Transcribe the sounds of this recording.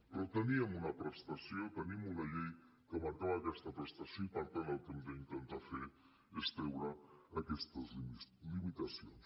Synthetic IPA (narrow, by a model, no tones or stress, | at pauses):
pɾɔt̪əniəmunəpɾəst̪asiot̪əniəmunɐʎej | kəmank̪aβaːkɛst̪əpɾəst̪asjoipəɾt̪analˠkemd̪əint̪ənt̪afe | est̪ɾɛwɾəːkɛst̪əzilimit̪ɐsio̰ns